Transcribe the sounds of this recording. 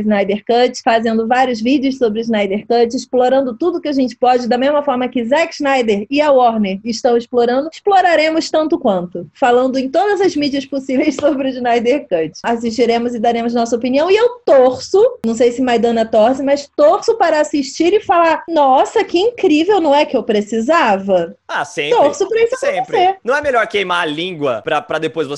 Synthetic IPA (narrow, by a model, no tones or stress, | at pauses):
znajd̪eɾkɐt͡ʃfazẽnd̪ʊvaɾjʊzvid͡ʒɪʊssobɾɪʊznajd̪eɾkɐt͡ʃɪsploɾɐ̃nd̪ʊt̪ud̪ʊkɪaʒẽnt͡ʃɪ̥pɔd͡ʒɪd̪ɐmezmɐfɔɾmɐkɪzakznajd̪eɾɪɐwɔɾneɾɪʃt̪ɐ̃w̃ɪsploɾɐ̃nd̪ʊsploɾaɾẽmʊst̪ɐ̃nt̪ʊkwɐ̃nt̪ʊfalɐ̃nd̪ʊẽj̃t̪od̪ɐzɐzmid͡ʒiɐsposivejssobɾɪʊznajd̪eɾkɐt͡ʃasiʃt͡ʃiɾẽmʊzɪd̪aɾẽmʊznɔsɐopiniɐ̃w̃ɪewt̪oɾsʊnɐ̃w̃s̬ejsɪmajd̪ɐ̃nɐt̪oɾsɪmɐst̪oɾsʊpaɾɐasiʃt͡ʃiɾɪfalaɾnɔsɐkɪĩŋkɾivewnɐ̃w̃ɛkɪewpɾesizavɐasẽt̪oɾsʊpɾɐissɾenɐ̃w̃ɛmeʎɔɾkejmaalĩɡwɐ̰pɾɐpɾɐd̪epojzvos